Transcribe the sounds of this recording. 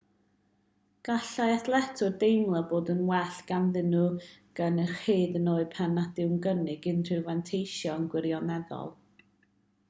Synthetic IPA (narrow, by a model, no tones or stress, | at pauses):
ɡ̥aɬajaθlˠɛtʰʊrdejmlˠaboːdənwɛɬɡ̥anðɪnuɡ̥anərχeːdənoːɨpʰɛnad̥ɪwnɡənɪɡɪntrɨvɛntʰejʃjɔənɡwɪɾjɔnɛðɔ̰lˠ